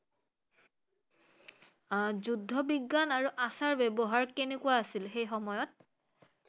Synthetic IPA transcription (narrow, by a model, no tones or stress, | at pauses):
zudʱːɔbiɡːanaɹuʔasaɹbebɔɦaɹkenekʊwaːsilxejxɔmɔjɔt̚